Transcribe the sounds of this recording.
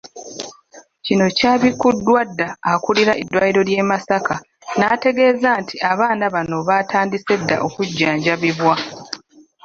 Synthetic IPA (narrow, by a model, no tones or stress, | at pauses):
cino̞caːβikudːwadːaːkuliɾaʔedːwajiɾo̞lje̞ːmasaka | naːte̞ɡe̞ːzaːntʰiaβaːnaβano̞βatʰaːndise̞dːa̰ʔo̞kuɟːaːɲɟaβiβwa